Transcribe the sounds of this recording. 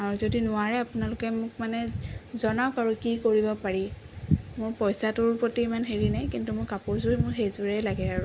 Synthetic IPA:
aɹuzodinʊwaɹɛapʊnalʊkɛmʊk̚manɛzɔnakaɹukikoɹibɔpaɹi | mʊɹpɔjsatʊɹpotimanɦeɹinajkintumʊɹkapʊɹzʊɹimʊɹɦejzuɹɛlaɡɛaɹu

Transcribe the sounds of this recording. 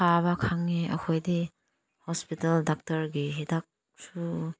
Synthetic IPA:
aβakʰaŋːeʔa̰kʰojdi | hɔspitaldak̚tɐɾɡiɦedak̚ | su

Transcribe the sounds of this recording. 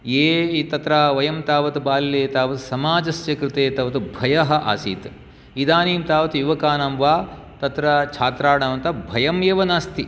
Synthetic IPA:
eːt̪ɐt̪ɾaːʋɐjɐmt̪aːʋɐt̪ubaːlleːt̪aːʋɐt̪usɐmaːd͡ʒɐsjɐkɾɪt̪eːt̪ɐːʋɐt̪ubʱɐjɐɦɐ̆ʔa̰ːsḭːt̪ | id̪aːniːmt̪aːʋɐt̪ujuʋɐkaːnɐmʋaː | t̪ɐt̪ɾɐt͡ʃʰaːt̪ɾaːɽaːʋɐnt̪ɐbʱɐjɐmjeːʋɐnaːst̪i

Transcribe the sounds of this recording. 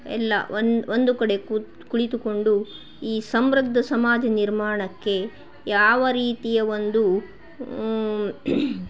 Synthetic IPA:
ɛ̰lːɐ̰no̞nd̪ukɐɽe̞k | kuɭit̪uko̞ɳɖu | iːsɐmbɾɐɡd̪ːɐsɐmaːd͡ʒɐniɾmaːɳɐkːe̞ | jaːʋɐɾiːt̪ijɐʋo̞nd̪u

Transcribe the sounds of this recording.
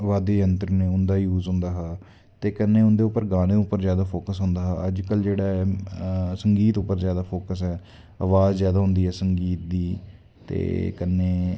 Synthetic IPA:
ʋaːd̪eːjənt̪ɾənẽːʊnd̪aːjuːzɦʊ̃nd̪aːɦː | t̪eːkənːẽːʊnd̪eːʊpːəɾɡaːnẽːʊpːəɾzjaːd̪aːpʰoːkəsɦʊ̃nd̪aːɦəd͡ʒkəld͡ʒeːɽaːɛː | səŋɡiːt̪ʊpːəɾzjaːd̪aːpʰoːkəs̬ɛː | a̰ːʋaːzzjaːd̪aːɦʊ̃nd̪iːɛːsəŋɡiːt̪̚d̪iː | t̪ḛːkənːeː

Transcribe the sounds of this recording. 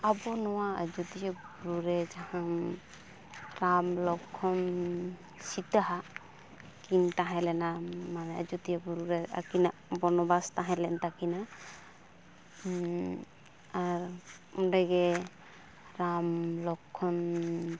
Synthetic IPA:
abɔnɔwaa̰d͡ʒut̪ijabuɾuɾɛd͡ʒahaŋ | ɾamlɔkʰːɔn | sit̪aɦa | kint̪ãɦɛlɛnamanɛa̰d͡ʒut̪ijabuɾuɾɛa̰kinaʔbɔɾnɔbast̪ãɦɛlɛnt̪akina | aɾ | ɔndɛɡɛ | ɾamlɔkʰːɔn

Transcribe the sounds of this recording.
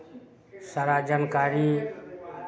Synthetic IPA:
saɾaːd͡ʒaːnkaːɾiː

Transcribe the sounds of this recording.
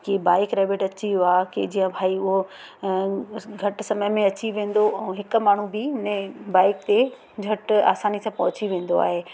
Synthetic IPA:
kebaːɪkɾeːʋeʈɐt͡ɕijoaːked͡ʑiːə̃bʱaːiʊɦo | ɡʱɐʈsɐməjmẽɐt͡ɕiʋẽːn̆d̪oʔɛ̃ɦɪkmaːɳ̤ubɪɪnẽbaːɪkt̪e | ɡʱɐʈa̰ːsaːnisãpɐɦʊt͡ɕiʋẽːn̆d̪oa̰ːɦeː

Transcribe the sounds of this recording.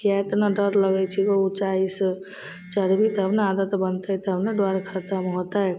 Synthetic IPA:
kiat̪naɖəɾləɡɛt͡ʃʰikɔut͡ʃaisə | t͡ʃəɾbit̪ɦəbnead̪ət̪bənt̪əjt̪ɦəbneɖwaɾkʰəɾt̪amɦot̪ae

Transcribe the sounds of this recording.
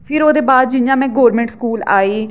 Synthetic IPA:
pʰɪɾoːd̪eːbaːd̪̚d͡ʒɪnjãːmɛ̃ːɡoːɾmɛ̃ːɳʈskuːla̰ːiː

